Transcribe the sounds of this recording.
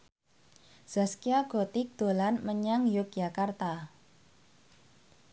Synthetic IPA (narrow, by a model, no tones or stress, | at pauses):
z̥askiaɡ̥ɔt̪ɪk̚d̪̥o̤lanməɲaŋjʊk̚jakart̪a